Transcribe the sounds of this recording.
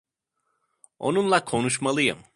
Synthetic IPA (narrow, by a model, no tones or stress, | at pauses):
o̞̰nunlˠakʰo̞nuʃmalˠɯjɯ̰m